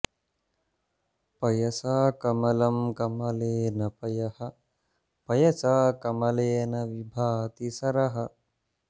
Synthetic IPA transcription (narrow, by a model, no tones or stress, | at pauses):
pɐjɐsaːkɐmɐlɐmkɐmɐleːnɐpɐjɐhɐ | pɐjɐsaːkɐmɐleːnɐʋibʱaːt̪isɐɾɐɦɐ